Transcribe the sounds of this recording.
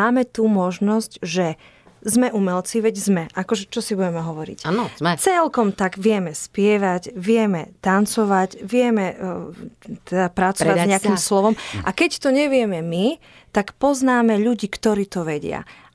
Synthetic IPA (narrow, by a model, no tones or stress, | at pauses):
aːmɛt̪umɔʒnɔscʒɛ | zmɛʔumɛlt͡siʋɛɟzmɛʔakɔʒɛt͡ʃɔsibuɟɛmɛɦɔʋɔɾḭc̪t͡sɛlkɔmt̪aɡʋɪɛmɛspɪɛʋaɟʋɪɛmɛt̪ant͡sɔʋacʋɪɛmɛ | t̪ɛd̪apɾat͡sɔʋazɲɛakimslɔʋɔmʔakɛct̪ɔɲɛʋɪɛmɛmi | t̪akpɔznaːmɛʎuɟiːkt̪ɔɾiːt̪ɔʋɛɟɪa̰